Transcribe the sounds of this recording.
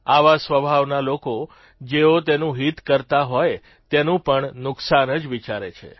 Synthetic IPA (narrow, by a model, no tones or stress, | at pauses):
aʋasʋəbʱaʋnaloko | d͡ʒeot̪enũɦit̪kəɾt̪aɦoj | t̪enũpəɳnʊksanəd͡ʒʋit͡ʃaɾet͡ʃʰḛ